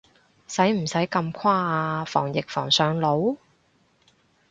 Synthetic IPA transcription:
sɐ˨˥jm̩˨˩sɐ˨˥jkɐ˧mkʰwaː˥aː˧fɔː˨˩ŋjɪ˨k̚fɔ̰ː˨˩ŋsœː˨˧ŋlo˨˥w

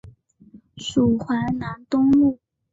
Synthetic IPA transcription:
ʂu˨˩xwa˧˥nna˧˥nt̪ʊ˥ŋlu˥˩

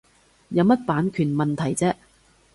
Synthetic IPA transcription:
jɐ˨˧wmɐ˥t̚paː˨˥nkʰyː˨˩nmɐ˨nt̪ʰɐ˨˩jt͡sɛː˥

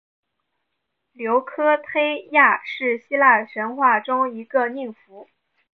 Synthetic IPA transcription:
ljo˧˥ʊkʰɤ˥t̪ʰe˥ɪja˥˧ʂɻ̩˥˩ɕi˥la˥˩ʂə˧˥nxwa˥˩ʈ͡ʂʊ˥ŋi˧˥ɡə˧ni˥˩ŋfu˧˥

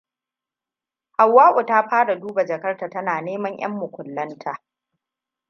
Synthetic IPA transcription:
ha˨wːaː˦ʔʷʊ˨taː˦ɸaː˦ɽa˨duː˦ba˨d͡ʒɐ˨kɐ˦rtaː˨tɐ˦naː˨neː˦mɐ˦ɲj̰ɐ̰˦mːʊ˨kʷʊ˨lːɐ˦ntʰaː˦

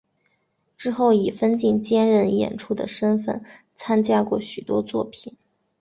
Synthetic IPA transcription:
ʈ͡ʂɻ̩˥xo˥˩ʊi˨˩fə˥nt͡ɕi˥˩nt͡ɕjɛ˥nɻə˥˩njɛ̰˨˩nʈ͡ʂʰu˥˩d̪ə̰˩ʂə˥nfə̰˥˩n | t͡sʰa˥nt͡ɕja˥kwɔ̰˥˩ɕy˨˩t̪wɔ˥t͡swɔ̰˥˩pʰi˨˩˦n

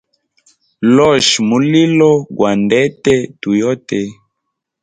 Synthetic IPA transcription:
lɔ˦˨ʃmu˨li˦lɔ˦ɡwa˨ndɛ˦tɛ˦tu˨jɔ˦tɛ˨

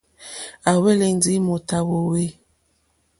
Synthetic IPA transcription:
a˨we˦le˨n˦di˦mo˨ta˨wo˨we˦

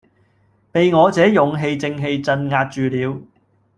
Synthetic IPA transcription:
pe˨jŋɔː˨˧t͡sɛː˨˥jʊ˨ŋɦe˧jt͡sɪ˧ŋɦe˧jt͡sɐ˧nŋaː˧t̚t͡ʃyː˨liː˨˧w

